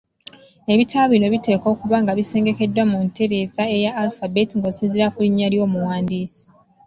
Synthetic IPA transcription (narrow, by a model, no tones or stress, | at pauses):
e̞βitʰaβino̞βite̞ːko̞ːkuβaŋɡaβise̞ːŋɡe̞ke̞dːwamunte̞ɾe̞zae̞jaːlfabetiŋɡosinziɾakuliɲːaljo̞ːmuwaːndiːsi̥